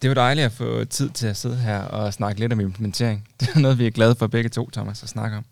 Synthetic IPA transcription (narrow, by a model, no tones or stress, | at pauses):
d̥e̝æd̥ɑ̈ɪliæfɔ̰̽ːt͡sʰið̞̰ˠt͡sʰe̝læse̝ð̞ˠɦæɐ̰ɒ̽snɑ̈ɡ̥əle̝ɾɒ̽me̝mpʰlement͡sʰe̝̰ɐ̰eŋd̥e̝ænɔ̽ːð̞̩ˠʋiæɐɡ̥lɛð̞ˠfɒ̽b̥eɡ̥ət͡sʰo̝̰ːt͡sʰɒ̽mæsɒsnɑ̈ɡ̥əɒ̽m